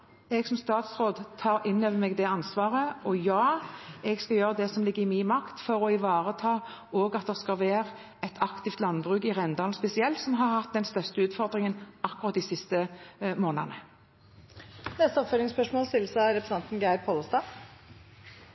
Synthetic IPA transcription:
ɛɡsɔmst̪ɑːt̪sʁoːd̪t̪ʰɑːɾɪnːøːʋəmɛːɡd̪ɛɑnsʋɑːʁəʔɔjɑːɛɡskɑjøːʁəd̪ɛsɔmlɪɡːəɪmiːnmɑkt̪fɔɾɔɪʋɑːʁət̪ʰɑː | oːɡɑt̪̚d̪ɛʁskɑʋæːʁ | ɛt̪ʰɑkt̪ɪft̪lɑnbʁʉːkɪʁɛnd̪ɑːlnspɛsɪɛlt̪sɔmɦɑʁhɑt̪̚d̪ɛnst̪œʁst̪əʉːt̪fɔʁd̪ʁɪŋənʔɑkːʊʁɑt̪̚d̪ɪsɪst̪əmoːnənə | nɛst̪əɔpfølɪŋspœʂmoːlt̪ɪlsɑɾɛpɾəsɛnt̪n̩ɡæɪɾpʰɔləst̪ɑː

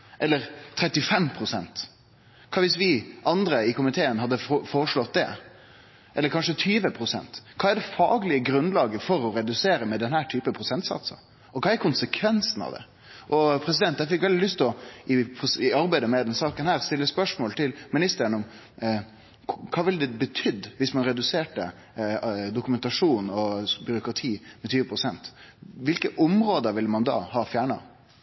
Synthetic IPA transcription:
ʔɛlːəɾt̪ʰɾɛt̪ːɪfɛmpʰɾʊsɛ̰nt̪ | kʰɑːʋɪsʋɪʔɑnd̪ɾəɪkʊmɪt̪ʰeːənɦɑd̪ːəfoːɾəʂlɔt̪̚d̪ɛ̰ | ʔɛlːəɾkʰɑnʂət̪ʰyːʋəpʰɾʊsɛ̰nt̪kʰɑːæɖɛfɑ̰ːɡəlɪəɡɾʉnlɑːɡəfɔɾɔɾɛd̪ʉseːɾəmɛd̪ɛnhæːʈʰyːpəpʰɾʊsɛnt̪sɑ̰t̪sə̰ | ɔkʰɑːæɾkʰʊnsəkʰʋɛnsnɑ̰ʋd̪ɛ̰ | ʔɔpʰɾɛs̬ɪd̪ɛnt̪jæfɪkʋɛld̪ɪlʏst̪ɔɪpʰɾʊsɪɑɾbæɪd̪əmɛd̪ɛnsɑːkənhæːɾst̪ɪlːəspœʂmoːlt̪ʰɪlmɪnɪst̪əɾənɔm | kʰɑːʋɪld̪ɛbət̪ʰʏd̪ːʋɪsmɑnɾɛd̪ʉseːʈə | d̪ʊkʉmɛnt̪ɑʂuːnɔbʏɾʊkɾɑt̪ʰiːmɛt̪ʰyːʋəpʰɾʊsɛnt̪ʋɪlkəʔɔmɾoːd̪əɾʋɪlːəmɑnd̪ɑ̰ːhɑːfjæːɳɑ̰

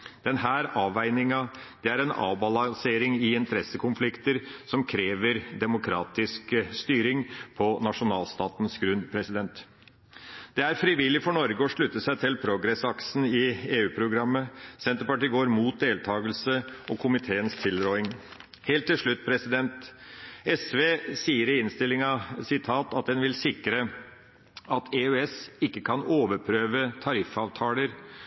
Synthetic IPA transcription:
d̪̥ɛnhæːɾɑːʋæɪnɪŋɑ | d̪̥ɛæɾɛnɑ̰ːʋbɑlɑnseːɾɪŋɪɪnt̪ʰəɾɛsəkʰʊnflɪkt̪əɾsɔmkʰɾeːʋəɾd̪ɛmʊkʰɾɑːt̪ɪskst̪yːɾɪŋpʰɔnɑʂʊnɑːlst̪ɑːt̪nsɡɾʉnd̪pʰɾɛsɪd̪ɛnt̪ | d̪̥ɛæɾfɾɪʋɪlɪfɔɳɔɾɡəɔʂɭʉt̪ːəsæɪt̪ʰɪlpʰɾʊɡɾɛsɑksn̩ɪeːʉːpʰɾʊɡɾɑmːəsɛnt̪əɾpɑʈiːɡoːɾmuːt̪̚d̪eːlt̪ʰɑːɡəlsəʔɔkʰʊmɪt̪ʰeːənst̪ʰɪld̪ɾoːɪŋ | heːlt̪ʰːɪlʂɭʉt̪ːpʰɾɛsɪd̪ɛnt̪ | ɛsʋeːsiːəɾɪɪnst̪ɪlːɪŋɑsɪt̪ʰɑːt̪ɑt̪̚d̪ɛnʋɪlsɪkɾə | ɑt̪ʰeøːɛsɪkːəkʰɑnoːʋəɾpʰɾøːʋət̪ʰɑɾɪfɑːʋt̪ʰɑːləɾ

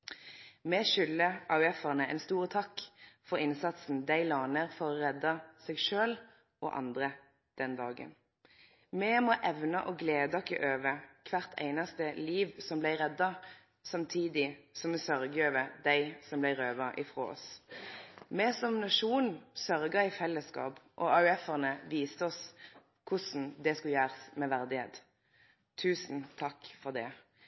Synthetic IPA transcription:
mɛʃʏlːəɑʉɛfəʁnəɛ̰nst̪uːʁət̪ʰɑkːfɔʁɪnsɑt̪sn̩d̪æɪlɑːnəʁfɔʁɔʁɛd̪ɑsɛːɡʃøːl | ʔɔ̰ːʔɑ̰nd̪ʁə | d̪̥ɛnd̪ɑːɡə̰n | mɛmoʔɛʋnɑʔɔɡleːd̪ɑkːəʔøːʋəkʰʋæʁt̪ʰæ̰ɪnɑst̪əliːʋsɔmblæɪʁɛd̪ɑ | sɑmt̪ʰiːd̪ɪsɔmɛsœʁɡəøːʋəd̪æɪsɔmblæɪʁøːʋɑʔɪfʁo̰ːɔ̰s | mɛsɔmnɑʂuːnsœɾɡəɪfɛlːəskɑ̰ːpʔɔɑʉɛfəʁnəʋiːst̪əɔs | kʰʊsn̩d̪ɛskʉljæːʁəsmɛʋæʁd̪ɪhḛːt̪ | t̪ʰʉːsn̩t̪ʰɑkːfɔʁd̪ɛ

